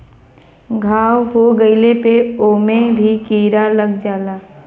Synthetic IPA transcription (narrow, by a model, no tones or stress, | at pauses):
ɡʱaːwɦoɡəɪlepeoːmẽbʱikiːɾaləɡd͡ʒaːlaː